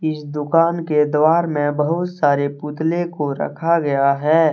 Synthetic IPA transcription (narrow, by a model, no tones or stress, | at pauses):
ɪsd̪ʊkaːnked̪waːɾmẽbəɦʊt̪saːɾeput̪lekoɾɐ̰kʰaɡɐjaɦɛː